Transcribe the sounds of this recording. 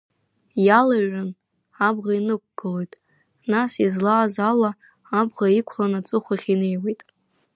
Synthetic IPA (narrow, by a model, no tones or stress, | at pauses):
jalaɥan | abʁainɨk̚ʷʰʼɡ̥ɨlojtʼ | nasizlaːzala | abʁaikʷʰlanat͡sʼɨχʷaχʲine̞jwejtʼ